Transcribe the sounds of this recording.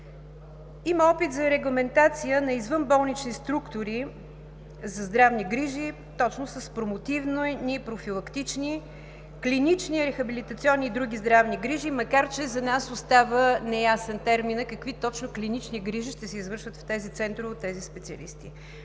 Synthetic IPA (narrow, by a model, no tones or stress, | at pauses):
imɐɔpit̪zɐɾɛɡlˠɐmɛnt̪at̪sijənɐizvənbɔlˠnit͡ʃnist̪ɾukt̪ʊɾi | zɐzd̪ɾavniɡɾiʒi | t̪ɔt͡ʃnʊsəspɾomot̪ivnojnipɾofilˠɐkt̪it͡ʃni | klinit͡ʃniɾɛxɐbilit̪ɐt̪siɔnːiːd̪ɾuɡʲizd̪ɾavniɡɾiʒimɐkaɾt͡ʃɛzɐnasʊst̪avənɛjasɛnt̪ɛɾminəkəkvit̪ɔt͡ʃnʊklʲinit͡ʃniɡɾiʒiʃt̪ɛsɛizvɤɾʃvət̪ft̪ɛzit̪sɛnt̪ɾʊvot̪ːɛzispɛt̪siə̰lḭst̪ḭ